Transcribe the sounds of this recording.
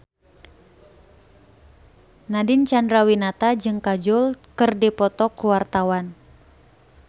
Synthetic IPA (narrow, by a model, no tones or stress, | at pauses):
nadɪnt͡ʃandɾawinat̪ad͡ʒɨŋkad͡ʒʊlkɨrdipɔt̪ɔkuwart̪awan